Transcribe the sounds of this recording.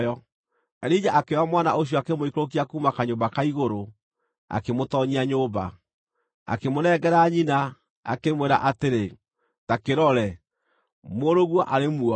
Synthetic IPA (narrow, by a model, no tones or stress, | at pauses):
jɔ | ɛɾid͡ʑaʔakewamwanaʔoɕ̬jɔakemoikɾok̬iakuːmakaɲoːbakaiɣoɾo | a̰kemotɔɲiaɲoːba̰ | a̰kemonɛɡɛɾaɲina | a̰kemweɾa̰ʔateɾe | takeɾɔɾɛ | moɾoɣwɔʔaɾemuɔ